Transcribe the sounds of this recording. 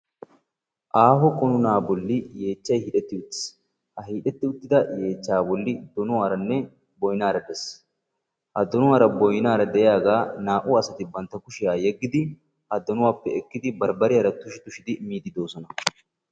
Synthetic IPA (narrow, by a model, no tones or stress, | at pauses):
ʔaːɦɔkʼɔnʊnaːbɔlːɪje̞ːt͡ʃːɐjhiːᶑɛt̪ːɪʊt̪ːɪ̥s | hɐhiːᶑɛt̪ːɪʊt̪ːɪd̪ɐje̞ːt͡ʃːaːbɔlːɪd̪ɔnʊwaːɾɐnːɛ | bɔjɪnaːɾɐd̪ɛs | ʔɐd̪ːɔnʊwaːɾɐbɔjnaːɾɐd̪ɛʔjaːɡaːnaːʔʊɐsɐt̪ɪbɐnt̪ːɐkʊʃɪjaːjɛɡːɪd̪ɪ | ɐd̪ːɔnʊwaːpːɛɛkːɪd̪ɪbɐɾbɐɾɪɐɾɐt̪ːʊʃɪt̪ʊʃɪd̪ɪmiːd̪ɪd̪o̞ːsɔnɐ